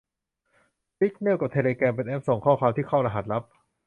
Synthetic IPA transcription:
pi˦˥k̚ne˥˩wka˨˩t̪ʰeː˧leː˧kɛː˧mp̬e˧nʔɛ˦˥p̚so˨˩ŋkʰɔː˥˩kʰwaː˧mt̪ʰiː˥˩kʰa˥˩wɾa˧ɦa˨˩t̪̚ɾa˦˥p̚

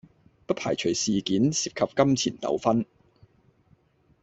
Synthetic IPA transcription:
pɐ˥t̚pʰa̰ː˨˩jt͡ʃʰɵ˨˩jsiː˨kiː˨˥nsiː˨p̚kʰɐ˨p̚kɐ˥mt͡sʰiː˨˩nt̪ɐ̰˨˥wfɐ˥n

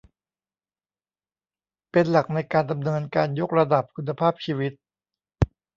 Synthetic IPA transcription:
pe˧nla˨˩k̚na˧jkaː˧nda˧mnɤː˧nkaː˧njo˦˥k̚ɾa˧da˨˩p̚kʰu˧nːa˧pʰaː˥˩p̚t͡ɕʰiː˧wi˦˥t̪̚

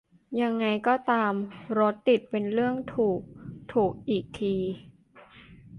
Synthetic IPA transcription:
ja˧ŋːa˧jkɔː˥˩t̪aː˧mɾo˦˥t̪ːi˨˩t̪̚pe˧nɾɯ˥˩əŋt̪ʰuː˨˩k̚t̪ʰuː˨˩k̚ʔiː˨˩k̚t̪ʰiː˧

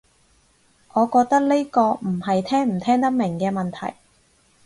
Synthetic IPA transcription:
ʔɔː˨˧kɔː˧k̚t̪ɐ˥k̚ne˥jkɔː˧m̩˨˩hɐ˨jt̪ʰɛː˥ŋm̩˨˩t̪ʰɛː˥ŋt̪ɐ˥k̚mɪ˨˩ŋkɛː˧mɐ˨nt̪ʰɐ̰˨˩j

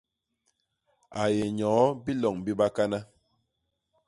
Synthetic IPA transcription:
a˨je˨ɲɔː˨˦bi˦lɔ˨ŋbi˦ba˦ka˦na˦

